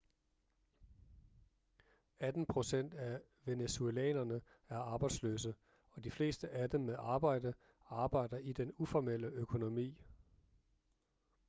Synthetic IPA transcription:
æd̥n̩pʰʁo̝sen̰d̥æ | ʋe̝nesuelɛ̰ːnɐnə | æɐɑ̈ːb̥ɑ̈ɪd̥slø̰ːs̬ə | ɒ̽d̥ifle̝ːsd̥əʔæd̥emːeðˠʔɑ̈ːb̥ɑ̈ɪ̰də | ɑ̈ːb̥ɑ̈ɪ̰d̥ɐʔid̥enufɒmel̰əøkʰo̝no̝mḭː

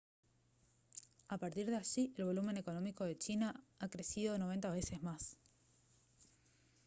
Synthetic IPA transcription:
apaɾt̪iɾðeaʒiʔe̞lβ̞o̞lumẽ̞ne̞ko̞no̞miko̞ð̞e̞t͡ʃinaakɾe̞siðo̞no̞β̞e̞nt̪aβe̞se̞zmas

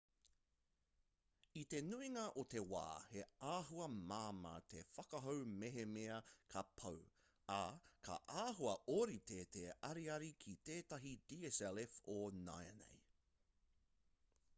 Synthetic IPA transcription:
it̪e̞nuiŋɐʔot̪e̞wa̰ːheaːɦuɐmaːmɐ̰t̪ʰefɐkɐɦowmeɦemeɐkʰɐpʰɐw | akʰɐ̰ʔaːɦuɐʔoɾit̪ʰet̪eɐɾiɐɾikʰit̪eːtɐɦid̪iesɛlefona̰jɐ̰nḛj

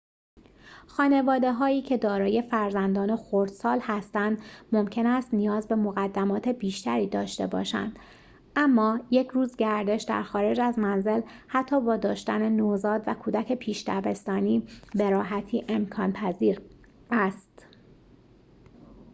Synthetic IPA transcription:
xɒːne̞vɒːd̪e̞ɦɒːiːcʰe̞d̪ɒːɾɒːje̞fæɾzænd̪ɒːnexoɾd̪̥sɒːlhæst̪ænd̪mo̞mcʰe̞næst̪nijɒːzbe̞moɣæd̪ːæmɒːt̪ʰe̞biːʃt̪æɾiːd̪ɒ̰ːʃt̪e̞̰bɒ̰ːʃæ̰nd̪̥ | æmːɒːje̞cʰɾuːzɟæɾd̪e̞ʃd̪æ̰ɾxɒːɾe̞d͡ʒæzmænze̞lhæt̪ʰːɒːbɒːd̪ɒːʃt̪æ̰ne̞nozɒːd̪vækʰuːd̪æcʰe̞pʰiːʃt̪æbe̞st̪ɒːniːbe̞ɾɒːɦæt̪ʰiːʔe̞mkʰɒːnpʰæziːɾ | æst̪

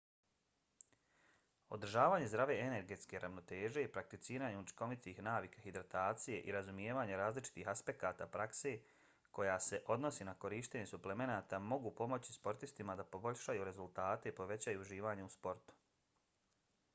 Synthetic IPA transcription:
o̞̰d̪r̩ʒaːʋaːɲe̞zd̪ɾaʋe̞ene̞ɾɡe̞t̪ske̞ɾʔaʋno̞t̪e̞ːʒe̞ipɾak̚t̪it̪siːɾaːɲeut͡ʃi̥ko̞ʋit̪iːxnaːʋikahid̪ɾat̪aːt̪sije̞ʔḭɾazumijeːʋaːɲe̞ɾaːzlit͡ʃi̥t̪iːxaspe̞kaːt̪aːpɾakse̞ | ko̞jaːse̞ʔo̞d̪no̞sinako̞ɾiːʃt̪eɲe̞suple̞me̞naːt̪aːmo̞ɡupo̞mo̞t͡ɕi̥spo̞ɾt̪ist̪imad̪apo̞bo̞ʎʲʃajuɾe̞zulˠt̪aːt̪e̞ipo̞ʋe̞t͡ɕajuuʒiːʋaːɲeuspo̞ɾt̪u̥

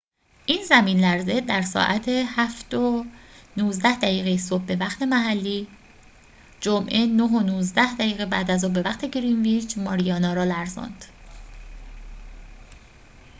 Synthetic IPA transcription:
ʔiːnzæmiːnlæɾze̞d̪æɾsɒ̰ːʔæt̪ʰehæft̪onuːzd̪æhd̪æjiːɣejeso̞b̚ːe̞væxt̪ʰe̞mæɦælːiː | d͡ʒomʔe̞noɦonuːzd̪æhd̪æjiːɣebæd̪æzobe̞væxt̪ʰe̞ɡɾinviːd͡ʒmɒːɾijɒːnɒːɾɒːlæɾzɒ̰nd̪̥

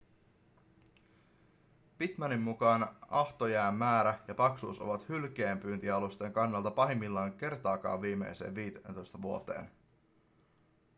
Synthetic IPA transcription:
pit̪mɑnimːukɑːnɑht̪o̞jæːmːæːɾæjɑpɑksuːso̞̰ʋɑt̪hylk̟eːmpyːnt̪iɑlust̪e̞ŋkɑnːɑlt̪ɑpɑɦimːilːɑːŋk̟e̞rt̪ɑːkɑ̰ːʋiːme̞̰jsḛːʋiːt̪ent̪o̞jst̪ɑʋuo̞t̪e̞̰ːn

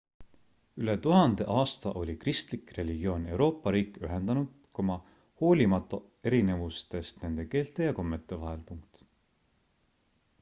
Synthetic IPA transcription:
ylet̪uɦɑnd̪e̞ʔɑːst̪ɑʔo̞lʲikrist̪likre̞lʲiɡ̥io̞ːne̞wɾo̞ːpːˑɑɾiːkˑyɦend̪̥ɑnud̪̥ko̞mɑ | ho̞ːlʲimɑt̪ːˑɑ | e̞ɾine̞vust̪e̞st̪ne̞nd̪̥e̞ke̞ːlt̪ˑe̞jɑko̞mːe̞t̪ːˑe̞vɑɦe̞lpuŋk̚t̪

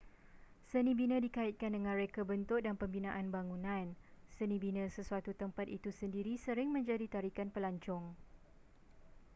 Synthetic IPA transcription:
sənĩbinə̃dikaɪt̪̚kandəŋãnɾekabənt̪ʊk̚danpəmbinãʔanbaŋũnãnsənĩbinə̃səsuat̪ut̪əmpat̪̚it̪usəndiɾisəɾɪŋmə̃ɲd͡ʒadit̪aɾikanpəlaɲt͡ʃɔŋ

